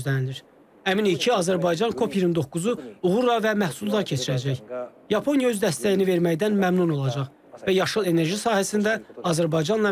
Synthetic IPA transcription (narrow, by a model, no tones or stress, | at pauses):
zlænid̪iɾ | æminicʰiɑzæɾbɑjd͡ʒɑnkʰo̞pʰjiɾimd̪o̞kːuzuuʁuɾlɑvæmæhsulˠɑɾcʰe̞t͡ʃʰiɾæd͡ʒæjjɑpʰo̞njɑø̞zd̪æst̪æjinive̞ɾmæjd̪ænmæmnuno̞lˠɑd͡ʒɑʁ | væjɑʃɯlˠe̞ne̞ɾʒisɑːhæsind̪æɑzæɾbɑjd͡ʒɑnlˠɑ